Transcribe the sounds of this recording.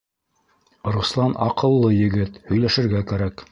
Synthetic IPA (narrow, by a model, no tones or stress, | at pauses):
ɾuslˠɑnɑ̰qɤ̆lˠːɤjɘ̆ɡɘt̪hɵ̆jlæʃɘ̆ɾɡækæɾæk